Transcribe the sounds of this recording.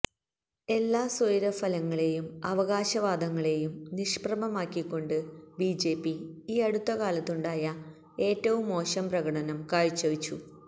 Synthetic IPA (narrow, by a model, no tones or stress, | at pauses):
e̞lːaːsojɾɐfɐlɐŋːɐɭe̞jumɐʋɐɣaːɕɐʋaːd̪ɐŋːɐɭe̞jumniʂprɐmɐmaːkːikːo̞ɳɖɨbiːd͡ʑe̞ːpːiiːɐɽut̪ːɐkaːlɐt̪ːuɳɖaːjɐ | e̞ːtːɐʋumːo̞ːɕɐmprɐɣɐʈɐnɐmkaːɻit͡ɕːɐʋit͡ɕːu